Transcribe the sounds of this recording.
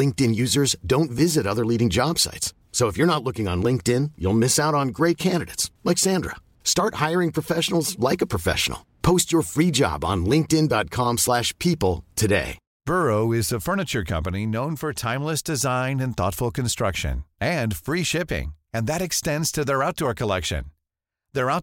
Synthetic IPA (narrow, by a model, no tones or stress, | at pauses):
lɪ̃ŋk̚tɨ̃njʉzə˞zdõʊ̃ntvɪzɨɾʌðə˞liɾɪ̃ŋd͡ʒɑb̥sa̰ɪtsː | oʊəfjə˞nətˡlʊkɪ̃ŋə̰̃nlɪ̃ŋk̚tɪ̃njṵlˠmɪsaʊɾn̩ɡɹeɪt̚kʰæ̃ndɨɾeɪtslɛɪksæ̃ndɹə̰ | stɑɹt̚haɪə˞ɪ̃ŋpʰɹ̥ɨfɛʃnl̩ˠzlaɪkəpʰɹ̥əfɛ̰ʃə̰n̩l̩ˠpʰoʊst͡ʃə˞fɹid͡ʒɑ̰b̃n̩lɪ̃ŋk̚tɪ̃ndɑt̚kʰɑ̃mslæʃpʰipl̩ˠtʰɨdḛɪ | b̥ɜ˞oʊɪzðəfɜ˞nɨt͡ʃə˞kʰʌ̰̃mpəninõʊ̃nfə˞tʰãɪ̃mləsd̥ɨzãɪ̃nɨ̃nθɔ̰tfl̩ˠkʰɨ̃n̩stɹ̥ʌkʃɨ̰̃nɨ̃nfɹiʃɪpɪ̰̃ŋɨ̃nðɨɾɨkstɛ̃ndz̥tʰɨðə˞aʊt̚d̥ɔɹkʰəlɛkʃɨ̰̃n | ðə˞aʊ